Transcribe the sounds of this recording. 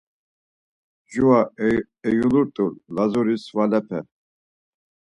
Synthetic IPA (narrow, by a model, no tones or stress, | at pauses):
d͡ʒua | ɛjunuɾt̪ʼullazuɾisvalɛpʰɛ̰